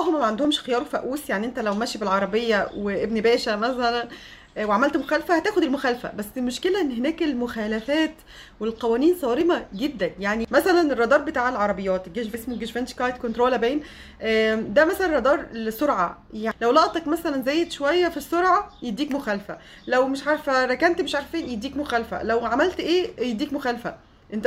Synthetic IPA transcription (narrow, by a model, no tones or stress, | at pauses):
lːɑɦomæmæʕand̪ohomʃxejɑːɾufæʔuːsjaʕniʔent̪ælæwmæʃibelʕɑɾˤɑbejːæweʔebnbæːʃæmæsælæn | weʕamælt̪moxæːlfæhæt̪æːxod̪elmoxæːlfæ̰bæsːemoʃkelæʔenːhenæːkelmoxæːlæfæːt̪ | welqɑwæːniːnsˤɑːɾemæɡed̪ːænjaʕnimæsælænerˤːɑd̪ɑːɾˤbet̪aːʕelʕɑɾˤɑbejːɑːt̪ɡeʃvsmoɡeʃvænkɑjt̪kont̪ɾoːlæbeːn | ʔæːd̪æmæsælænˤrˤɾɑd̪ɑːɾˤlesoɾʕa̰jalæwlɑʔt̪ˤɑkmæsælænzæːjːed̪ʃowæjːæfisːoɾˤʕajed̪ːiːkmoxæːlfæ | læwmeʃʕaɾˤfæɾˤækænt̪meʃʕaɾˤfiːnjed̪ːiːkmoxæːlfæ̰læwʕamælt̪ʔeːjed̪ːiːkmoxæːlfæ | ʔent̪